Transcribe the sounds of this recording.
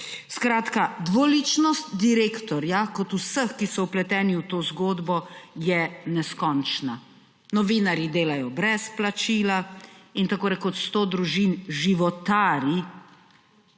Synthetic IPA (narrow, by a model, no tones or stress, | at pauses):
skɾaːt̪kad̪ʋɔlit͡ʃnɔst̪d̪iɾeːkt̪ɔɾjakɔt̪usəxkisɔwplɛt̪ɛːniwt̪oːzɡoːd̪bɔjɛnɛskɔnt͡ʃna | nɔʋiːnaɾjid̪eːlajɔbɾɛsplat͡ʃiːlaint̪akoːɾɛkɔt̪st̪oːd̪ɾuʒinʒiʋɔt̪aːɾi